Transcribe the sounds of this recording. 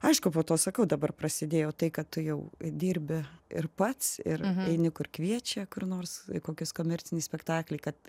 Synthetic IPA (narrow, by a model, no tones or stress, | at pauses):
ɐɪʃkʊpoːt̪oːsɐkɐʊd̪ɐbɐrpɾɐsʲɪdʲeːjɛːt̪ɐɪkɐttʊjɛʊd̪ʲiːɾʲbʲɪɪ̰rpɐt̪sɪ̰rɛɪnʲɪkʊrkʋʲiɛt͡ʃʲɛkʊrnoːrskoːkʲɪskoːmʲɛrʲt͡sʲɪnʲɪsʲpʲɛkt̪ɑːklʲɛɪkɐt̪